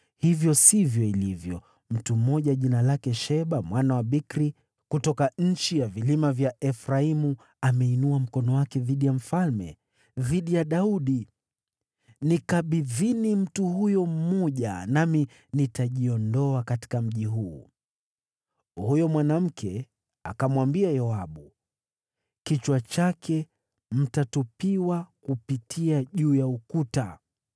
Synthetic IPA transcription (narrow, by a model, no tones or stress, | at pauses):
hivjɔsivjɔilivjɔ̰ | m̩tum̩ːɔʄaʄinalakɛʃɛɓamwʔanawaɓikɾi | kutɔkaɲ̩t͡ʃijavilimavjaʔɛfɾaimu | amɛinuam̩kɔnɔwakɛðiɗijam̩falmɛ̰ | ðiɗijaɗauɗi | nikaɓiðinim̩tuhujɔm̩mɔʄa̰nami | nitaʄiɔndɔakati̥kam̩ʄiɦuː | hujɔmwanam̩kʰɛ | akamwambiajɔaɓu | kit͡ʃwat͡ʃakʰɛ | m̩tatupiwakupitʰiaʄuːjaukuta